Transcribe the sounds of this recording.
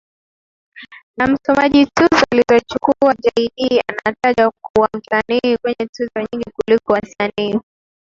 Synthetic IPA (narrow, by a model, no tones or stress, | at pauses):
nam̩sɔmaʄituzɔalizɔt͡ʃukuaʄaiɗia̰nataʄakuam̩tanikwɛɲɛtuzɔɲiŋɡikulikɔwasaniː